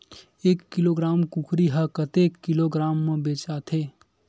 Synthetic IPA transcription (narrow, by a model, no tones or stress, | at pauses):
eːkːiloɡɾaːmkukʰɾiɦəkət̪ekːiloɡɾaːmːẽbeːt͡ʃat̪ʰeː